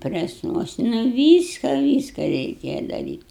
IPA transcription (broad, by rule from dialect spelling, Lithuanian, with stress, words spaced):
ˈpʲrʲæːsnuɔsnɐ ˈʋʲiːskɐ ˈʋʲiːskɐ rʲɛɪˈkʲeːjɛ dɐˈrʲiːtʲ